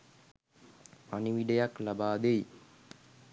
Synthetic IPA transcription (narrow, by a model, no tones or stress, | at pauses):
paniʋiɖejaklabaːd̪ej